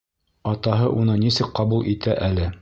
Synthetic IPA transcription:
ɑt̪ɑɦɤʔunɤnisɘk̚qɑbulˠʔit̪æʔælɘ

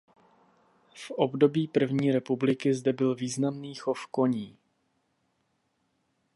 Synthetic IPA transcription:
fʔobdo̞biːpr̩vɲiːɾɛpublɪkɪzdɛbɪlviːznamniːxofko̞ɲiː

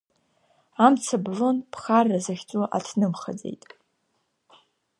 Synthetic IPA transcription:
amt͡sʰablo̞npʰχarːazaχʲt͡sʷʼuʔa̰tʰnɨmχa̰d͡zḛjtʼ

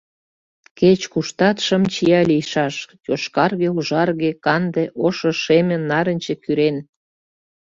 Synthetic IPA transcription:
ket͡ɕkuʃt̪ɑt̪ʃə̆mt͡ɕijɑlʲijʃɑʃtʲoʃkɑrɣeuʒɑrɣekɑnd̪eʔoʃoʃemʲenːɑɾə̆nʲt͡ɕĕkyɾen

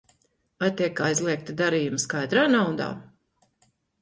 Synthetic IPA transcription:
ajt̪ʲiɛkajzlˠiɛk̚t̪ad̪aɾiːjumskajd̪ɾaːnawd̪a̰ː

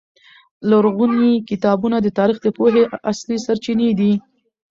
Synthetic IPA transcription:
laɾɣunikɪt̪ɑbunad̪ət̪ɑɾixd̪əpoɦeʔaslisaɾt͡ʃined̪i

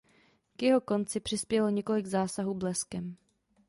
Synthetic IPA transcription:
kjɛɦo̞ko̞nt͡sɪpr̝̥ɪspjɛloɲɛko̞lɪɡzaːsaɦuːblɛskɛm

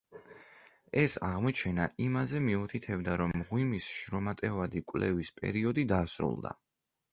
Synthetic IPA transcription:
ɛsaʁmɔt͡ʃʰɛnaʔimazɛmiut̪ʰit̪ʰɛbd̪aɾɔmːʁwimisʃɾɔmat̪ʼɛvad̪ikʼwlɛ̰vispʼɛ̰ɾiɔd̪id̪asɾṵlˠd̪a̰

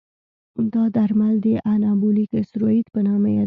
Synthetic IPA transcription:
d̪ɑd̪aɾmald̪eʔanɑbulikɪsɾoit̪pənɑmaja

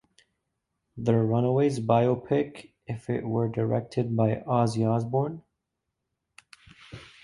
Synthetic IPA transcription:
ðəɹʌ̃nəweɪzbaɪopʰɪk | ɨfɪ̰ʔ̚wə˞də˞ɛ̰k̚tʰɨd̚baɪʔɑziɑzbɔɹn

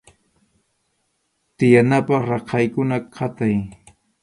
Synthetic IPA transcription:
t̪ɪjanapɑχɾɑqɑjkʊnaqʰɑt̪aj

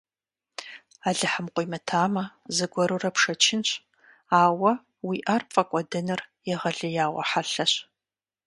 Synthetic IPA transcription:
aːɮɨħəmqʷʼjmɐtʰaːmɐzɨɡʷɔɾurɐpʂɐt͡ʃʰɪnɕʼ | aːwɐ | wiːʔaːrpfʼɐkʷʼɔdɨnɨrjɛʁɐɮɨjaːwʷɐ̰ħaɬɐɕ

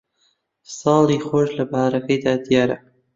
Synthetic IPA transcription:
sɑːlˠiːxoːʃlɐbahaɾɐkɐjd̪aːd̪ijaːɾɐ̰

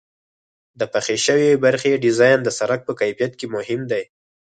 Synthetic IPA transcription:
d̪əpaxeʃəwebaɾxeɖɪzɑjnd̪əsaɾak̚pəkajfijat̪̚kemʊhɪmd̪aj

